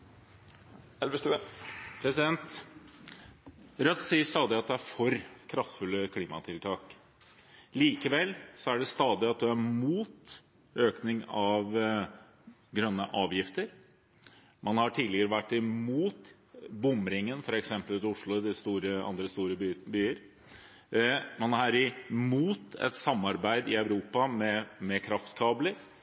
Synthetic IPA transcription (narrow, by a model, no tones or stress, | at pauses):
ɛlʋəst̪ʉpʰɾɛsɪd̪ɛnt̪ | ɾœt̪ːsiːəʂt̪ɑːd̪ɪɑt̪̚d̪æɾfɔɾkʰɾɑft̪fʉlːəkʰliːmɑt̪ʰɪlt̪ʰɑːk | liːkəʋɛlsɔæɖɛst̪ɑːd̪ɪɑt̪̚d̪ʉæɾmuːt̪ | øːknɪŋɑʋ | ɡɾœnːəʔɑːʋjɪft̪əɾ | mʔɑnhɑʈʰiːɪɡəɾəʋæʈːɪmuːt̪ | bʊmɾɪŋːənfɔɾɛksɛmpəlʉt̪ʊʂlʊd̪ɪst̪uːɾəɑ̰nd̪ɾəst̪uːɾəbbyːəɾ | mɑnɑɾɪmuːt̪ɛ̰t̪sɑmːɑɾbæɪd̪ɪ̰ɑʉɾuːpɑmɛmɛkʰɾɑft̪kʰɑːbləɾ